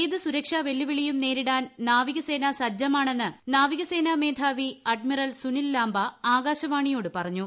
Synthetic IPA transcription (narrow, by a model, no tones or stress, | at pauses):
iðɨsuɾɐkʂaʋe̞lːuʋiɭijumne̞ːɾiɽaːnnaːʋiɣɐse̞ːnasɐd͡ʑɐmaːɳe̞nːɨnaːʋiɣɐse̞ːname̞ːd̪ʱaːʋiɐɖ̚mirɐlsunilːaːmbɐaːɡaːɕɐʋaːɳijo̞ːɽɨpɐrɐɲːu